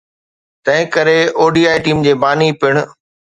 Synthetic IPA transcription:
t̪ɐ̃ɦɪ̃kɐɾeoːɖiːaːiʈiːmd͡ʑeːbaːnipɪɽ̃ʊ̆

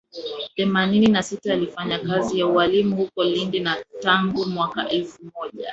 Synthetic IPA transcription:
θɛmanininasitaːlifaɲakazijauwalimuhukɔlindinataŋɡumwakaʔɛlfumɔʄa̰

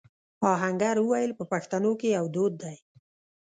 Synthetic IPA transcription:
ɑɦaŋɡaɾwəwajəlpəpaxt̪anokejawd̪od̪ːaj

